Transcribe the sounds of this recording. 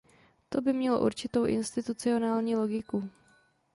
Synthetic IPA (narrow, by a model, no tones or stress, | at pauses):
t̪o̞bɪmɲɛlo̰ʔṵɾt͡ʃɪt̪o̞wʔɪ̰nst̪ɪt̪ut͡sɪo̞naːlɲiːlo̞ɡɪku